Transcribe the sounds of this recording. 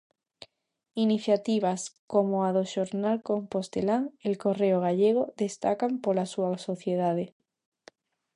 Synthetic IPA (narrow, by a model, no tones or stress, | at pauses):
iniθjat̪iβ̞askomoaðoʃoɾnalkompost̪elaŋelkoreoɣaʎeɣ̞oðest̪akampoɾlasuasoθjeð̞að̞e